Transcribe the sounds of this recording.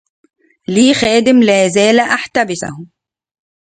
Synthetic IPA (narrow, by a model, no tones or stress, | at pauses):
liːxæːd̪ɪmlaːzæːlʔaħt̪abɪsa̰h